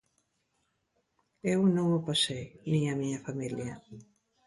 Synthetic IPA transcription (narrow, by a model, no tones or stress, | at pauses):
ewnõŋopasejnĩamiɲɐfamiljɐ